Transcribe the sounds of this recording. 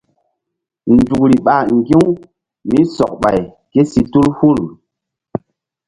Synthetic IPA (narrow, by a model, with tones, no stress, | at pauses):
ndu˨kɾi˨ɓa˨ŋɡi˦ŋ | mi˦sɔ̰˨k̚ɓa˨j | ke˦si˨tu˦lhu˦˨l